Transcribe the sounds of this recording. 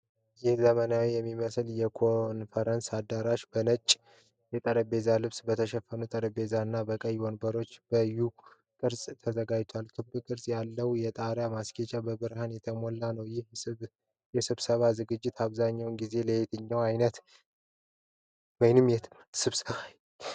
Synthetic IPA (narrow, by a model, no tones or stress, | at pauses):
jɪhzəmənawijɛmːiməsljɛkʰonfəɾənsad̪aɾaʃbənət͡ʃʼ | jɛt̪ʼəɾəbe̞zalɨβsbət̪ʰəʃɛfːənut̪ʼəɾəbe̞zanːabəkʼəjwonbəɾo̞t͡ʃːb̥əju | kʼɨɾsʼt̪ʰəzəɡajt̪ʰwalk̪ʰɨbbɨkʼɨɾsʼjalːəwjɛt̪ʼaɾjamasket͡ʃʼabəbɨɾhanjɛt̪ʰəmolːanəwjɪh | jɛsɨβsəβazɨɡɨd͡ʒːɪt̪aβzaɲːawnɡize̞ləet̪ʰɨɲːawajnət̪ | wɔjnɨmjɛt̪ | sɨβsəβaj